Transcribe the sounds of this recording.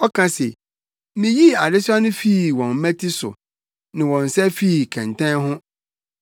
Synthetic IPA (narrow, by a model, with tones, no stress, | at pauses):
ɔ˦kʰã˦se˨ | mĩ˨ji˦a˨dɪ˦sʊ˦a˦nʊ̃˦fiː˦˨wɔ̃˨m˦mɛ̃˦tʰi˦sʊ̰˨ | nɪ̃˨wɔ̃˨n̩˨sɛ˦fi˦˨kʰɛ̃˨ntʰɛ̃˦nɦʊ̃˦